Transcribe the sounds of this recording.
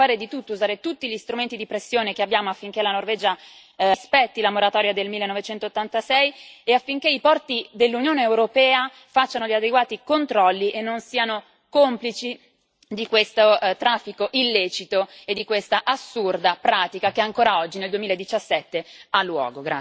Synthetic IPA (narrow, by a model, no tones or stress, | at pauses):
aːɾed̪it̪ut̪ːouzaːɾet̪ut̪ːiʎist̪ɾument̪id̪ipɾesːjoːnekeabjaːmoafːiŋkelanorvɛːd͡ʒa | spɛt̪ːilamoɾat̪ɔːɾjad̪elmilːenːɔvet͡ʃɛnt̪ot̪ːant̪asɛjeafːiŋkeipɔrt̪id̪elːunjoːneːwɾopɛːa | fat͡ʃːanoʎiad̪eɡwaːt̪ikont̪ɾɔlːiʔenːonsiːano | komplit͡ʃi | d̪ikwest̪ot̪ɾafːikoʔilːeːt͡ʃit̪oed̪ːikwest̪aʔasːurd̪apɾaːt̪ikakeaŋkoːɾaɔd͡ʒːineld̪uemiːlaed̪ːit͡ʃasːɛt̪ːealːwɔ̰ːɡoɡɾa̰